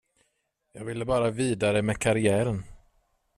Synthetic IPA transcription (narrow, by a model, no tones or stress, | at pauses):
jɑːɡvɪlːəbɑːɾaviːd̪aɾəmɛkʰaɾɪæːɾən